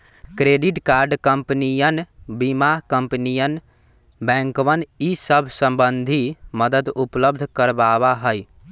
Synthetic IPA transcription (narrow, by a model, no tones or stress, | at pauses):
kɾeɖiʈkaːɾɖkəmpnijənbimakəmpnijən | bɛ̃ŋkʋənisəbʱsə̃mbənd̪ʱiməd̪əd̪upləb̚d̪ʱkəɾbabaɦəj